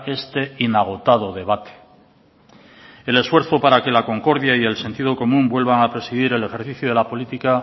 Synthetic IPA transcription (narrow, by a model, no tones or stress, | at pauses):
e̞st̪e̞inaɣ̞o̞t̪að̞oðe̞β̞at̪e̥ | e̞le̞sfwe̞ɾθo̞paɾake̞lako̞ŋko̞ɾðjaie̞lse̞nt̪ið̞o̞ko̞mũmbwe̞lβaŋapɾe̞siðiɾe̞le̞xe̞ɾθiθjoð̞e̞lapo̞lit̪ika